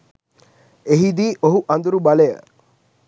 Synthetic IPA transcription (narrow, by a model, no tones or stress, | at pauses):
eɦid̪iːʔoɦuʔand̪uɾubalejə̰